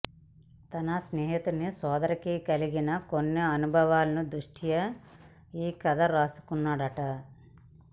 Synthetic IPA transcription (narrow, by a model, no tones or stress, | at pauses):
t̪ɐnɐsneːɦit̪unisɔːd̪ɐɾɐkikɐliɡinɐkonːiɐnubʱɐʋaːlɐnud̪ɾuʂʈʰijɐ | iːkɐd̪ɐɾaːsu̥kunːaːɽɐʈɐ